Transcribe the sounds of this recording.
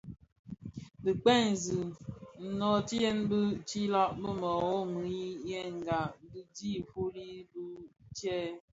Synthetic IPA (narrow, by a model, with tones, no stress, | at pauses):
di˨k͡pɛ˦˨n̩˨zi˨n̩˨nɔ˨ti˦jɛ˦nbə˦t͡ʃi˦lɔ˦ʔbə˦mɔ˨o˦m˨i˨˦jɛ˦ŋ̩˨ɡa˨bi˦di˦˨fo˦ɾi˦bu˦t͡ʃɛ˦